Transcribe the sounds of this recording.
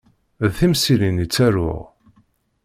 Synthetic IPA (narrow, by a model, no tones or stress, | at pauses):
ðθimsilinit͡sːæɾʊ̰ʁ